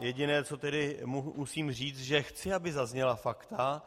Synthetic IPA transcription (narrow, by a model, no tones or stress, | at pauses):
jɛɟɪnɛːt͡sot̪ɛdɪmumusiːmr̝iːt͡st̪ʒɛxt͡sɪabɪzazɲɛlafakt̪a